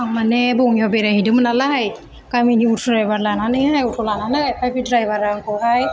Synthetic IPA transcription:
aŋmanɛbɔŋjɔbɛɾahidɯmɯnalaɦaj | kaminiutʰɔɾajbaɾlananɯɦajutʰɔlananapabidɾajbaɾaŋkɔɦaj

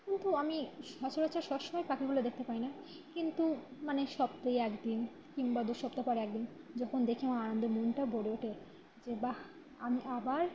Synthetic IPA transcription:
kint̪uamiʃɔt͡ɕoɾot͡ɕʰaɾʃɔbʃɔmɔepakiɡulod̪ek̚ʰt̪epaina | kint̪umaneʃɔb̚t̪ejɛkd̪in | kiŋbad̪uʃɔp̚t̪apaɾeɛkd̪in | d͡ʑɔkʰond̪ekʰiamaanond̪omunʈabʱoɽeoʈʰe | d͡ʑeba | amiʔabaɾ

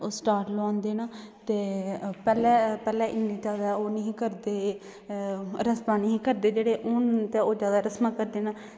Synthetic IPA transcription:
oːsʈaːɾʈlãːnd̪eːnaː | t̪eːpɛːlɛːpɛːlɛːʔɪniːd͡ʒaːd̪aːoːnəĩːkəɾd̪eː | ɾəsmaːniĩːkəɾd̪eːd͡ʒeːɽeːʔʊːnt̪eːoːd͡ʒjaːd̪aːɾəsmaːkəɾd̪eːnaː

